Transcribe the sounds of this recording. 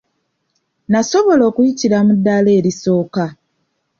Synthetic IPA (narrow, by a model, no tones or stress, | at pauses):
naso̞βo̞lo̞ːkujiciɾamudːale̞ːɾiso̞ːka